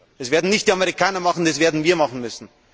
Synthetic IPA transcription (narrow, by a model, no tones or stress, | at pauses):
ɛsveːɐdn̩nɪçt̚d̥iːamɛʁɪkʰaːnɐmɑχn̩d̥ɑsv̥eːɐdn̩viːɐmɑχn̩mʏsn̩